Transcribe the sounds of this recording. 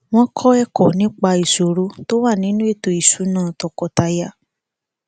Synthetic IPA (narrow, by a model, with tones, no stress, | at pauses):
w̃ɔ̃˦kʰɔ˦ɛ˦kɔ˨nĩ˨˦k͡pa˧i˨so˨ɾo˧˦to˦wa˦˨nĩ˨˦nũ˦e˦˨to˨i˨su˨˦nãː˦˨tɔ˨kɔ˨ta˧ja˧